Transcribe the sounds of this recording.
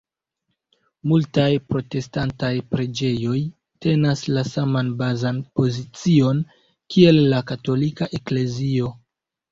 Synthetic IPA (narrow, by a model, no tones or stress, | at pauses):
multajpɾo̞te̞stantajpɾe̞d͡ʒe̞jo̞j | te̞naslasamanbazanpo̞zit͡sio̞n | kʰie̞lːakato̞likaʔe̞kle̞zio̞